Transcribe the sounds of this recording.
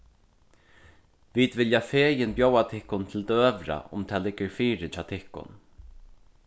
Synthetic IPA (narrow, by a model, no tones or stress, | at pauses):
viːd̪vɪljafeːjɪnpjoːwat̪ʰɪhkʊnt̪ʰɪlt̪øːvɾa̰ʔʊ̰mt̪ʰɛːlɪɡəɾfiːɾɪt͡ʃʰaːt̪ʰɪhkʊ̰n